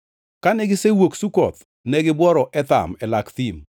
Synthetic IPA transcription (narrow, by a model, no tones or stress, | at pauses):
kanɛɡɪsewoksukɔt̪ | nɛɡɪbwɔɾɔʔɛt̪a̰mɛlakt̪im